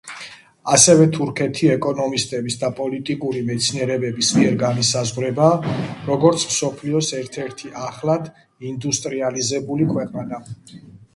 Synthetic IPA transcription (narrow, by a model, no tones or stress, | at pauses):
asɛvɛt̪ʰuɾkʰɛt̪ʰiɛkʼɔnɔmist̪ʼɛbisd̪apʼɔlit̪ʼikʼuɾimɛt̪sʰniɛɾɛbɛbismiɛɾɡanisazʁɾɛbaːɾɔɡɔɾt̪sʰmsɔpʰliɔsɛɾt̪ʰɛɾt̪ʰiʔaχlad̪ | ind̪ust̪ʼɾializɛbulikʰwɛqʼana